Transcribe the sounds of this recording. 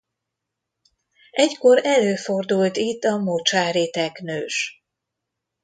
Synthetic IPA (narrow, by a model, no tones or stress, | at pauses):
ɛcko̞ɾɛløːfo̞rd̪ult̪it̪ːɒmot͡ʃaːɾet̪ɛknøːʃ